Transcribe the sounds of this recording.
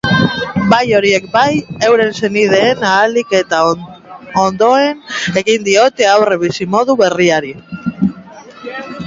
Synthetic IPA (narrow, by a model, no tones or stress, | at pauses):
bajo̞ɾie̞k̚baje̞wɾe̞nse̞niðe̞ːnaːlike̞t̪a | ond̪o̞ene̞ɣind̪io̞t̪e̞awreβ̞isimo̞ðuβe̞riaɾi